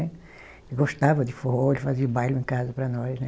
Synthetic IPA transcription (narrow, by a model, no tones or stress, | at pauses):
ɛ | ɪɡost̪avɐd̪ɪfoelfaziubajlʊẽŋkazɐpɾɐnɔjznɛ